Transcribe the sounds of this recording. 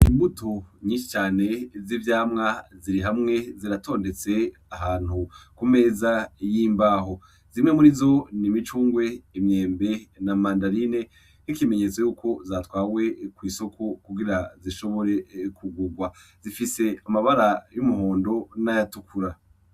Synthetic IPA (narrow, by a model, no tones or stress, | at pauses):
imbutʰoɲiːʃi̥t͡ʃaːne̞zivjaːmŋaziɾiɦamŋe̞ziɾatʰo̞ːnde̞t͡se̞ | aɦaːn̥hukume̞ːzajiːmbaːɦo̞ | z̥imŋe̞muɾizo̞nimit͡ʃuːŋɡwe̞imɲe̞ːmbe̞namaːndaɾine̞ | n̥ikime̞ɲe̞ːt͡so̞juːkʰo̞zaːtwaːwe̞kwiːso̞kʰokuɡiɾaziʃo̞βo̞ɾe̞kʰuɡuɡwazifise̞amaβaɾajumuɦo̞ːndo̞najatukʰuɾa